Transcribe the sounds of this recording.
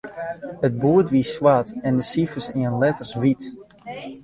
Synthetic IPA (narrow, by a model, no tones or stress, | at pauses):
əd̚buətʋiəswatɛndəsifəsiənlɛtərsʋit